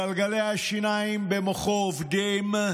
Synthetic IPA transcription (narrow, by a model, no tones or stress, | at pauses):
alɡalɛaʃinajmbeməχovdem